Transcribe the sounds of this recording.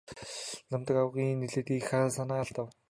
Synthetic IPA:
lămt̪ə̆kawɣiːnːeɮĕt̪iːkxasanaːɮt̪ăw

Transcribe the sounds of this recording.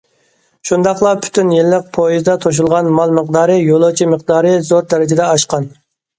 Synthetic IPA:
ʃund̪ɑχlˠɑpʰy̥t̪ʰynjilːɪq̚pʰojizd̪ɑt̪ʰoʃ̬ulˠʁɑnmɑlˠməqd̪ɑːɾɨjolˠot͡ʃʰiməqd̪ɑːɾɨzoɾd̪ɛɾɪd͡ʒɪd̪ɛɑʃqɑn

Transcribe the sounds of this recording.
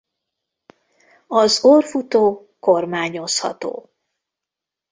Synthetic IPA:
ɒzoːrfut̪oː | ko̞rmaːɲo̞shɒ̰t̪o̰ː

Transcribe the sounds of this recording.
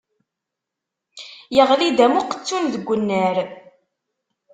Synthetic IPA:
jəʁlid̪æmuqə̥t͡sːʊnðəɡʷːənːəɾ

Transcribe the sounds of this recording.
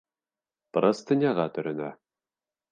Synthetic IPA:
pɾɤst̪ɘ̆nʲjɑʁɑt̪ɵ̆ɾɘ̆næ

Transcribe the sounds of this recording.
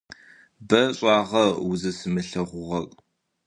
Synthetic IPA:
bɐɕʼɑːʁɐwʊzɐsɨmɨɬɐʁʷʊʁɐrʼ

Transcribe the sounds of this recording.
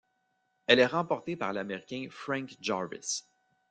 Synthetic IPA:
ɛlɛʁɑ̃pɔʁt̪epaʁlameʁikʲɛ̃fʁɛ̃ŋkd͡ʒɑvɪ̰s

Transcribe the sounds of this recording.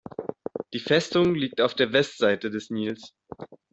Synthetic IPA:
d̥iːfɛstʊŋliːk̚taʊfd̥eːɐvɛstz̥aɪtədɛsniːls

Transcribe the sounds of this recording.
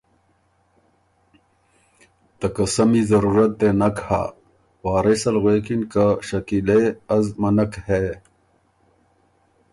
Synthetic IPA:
t̪ɐkɐsɐmizɐɾuːɾɐt̪̚d̪enɐkha̰ | waːɾesɐlɣweːkinkaɕɐkileɐzmɐnɐkhe

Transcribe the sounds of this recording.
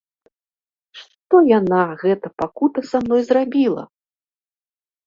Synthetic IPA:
ʂt̪ɔjanaɣɛt̪ɐpakut̪ɐsamnɔjzrabʲilˠɐ̰

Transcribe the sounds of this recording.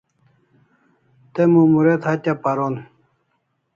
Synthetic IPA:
t̪emomuɾet̪ʰat̪ʲapaɾon

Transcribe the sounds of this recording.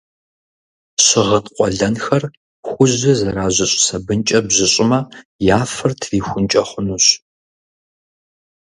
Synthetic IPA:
ɕɪʁətqʷʼɔɮɐnxɐr | xʷʊʑɐzɐɾaːʑʷɪɕʼsɐbɨnt͡ʃʼɐbʑɪɕʼɪmɐjaːfɐrtʰriːxʷʊnt͡ʃʼɐχʷʊnuːɕ

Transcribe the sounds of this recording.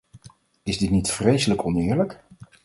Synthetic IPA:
ɪzdɪtnitfrejsələkɔnɪːɹlək

